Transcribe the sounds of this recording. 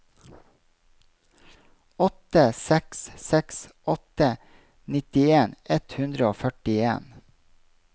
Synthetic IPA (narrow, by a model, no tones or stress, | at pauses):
ɔt̪əsɛkssɛksʔɔt̪ə | nɪt̪ɪeːnʔɛt̪hʉnd̪ɾəoːfœʈɪeːn